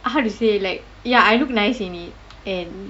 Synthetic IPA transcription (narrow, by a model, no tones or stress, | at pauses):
haʊduselaɪk̚ | jaaɪluk̚naɪsĩnit̚ | ɛ̃n